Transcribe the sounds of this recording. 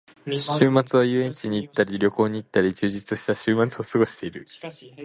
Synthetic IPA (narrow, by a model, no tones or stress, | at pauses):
ɕɨːmat͡sɨβ̞ajɯ̟ẽ̞ɲ̟t͡ɕiɲ̟iːt̪ːaɾʲiɾʲo̞ko̞ːɲ̟iːt̪ːaɾʲid͡ʑɨːʑit͡sɨɕi̥t̪aɕɨːmat͡sɨo̞sɨɡo̞ɕi̥t̪e̞iɾɯ̟